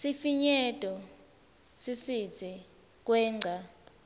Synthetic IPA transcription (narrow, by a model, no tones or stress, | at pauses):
sifiɲɛtʼɔ | sisi̥d͡zʰʱi | k̬ʼwɛːŋ͡ǀʱa